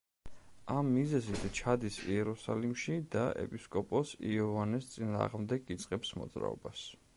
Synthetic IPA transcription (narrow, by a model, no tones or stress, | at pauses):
amːizɛzit̪ʰt͡ʃʰad̪isiɛɾusa̰limʃid̪aɛ̰pʼiskʼɔpʼɔsiɔvanɛst̪sʼina̰ːʁmd̪ɛɡit̪sʼqʼɛpsmɔ̰d̪z̥ɾa̰ɔ̰bas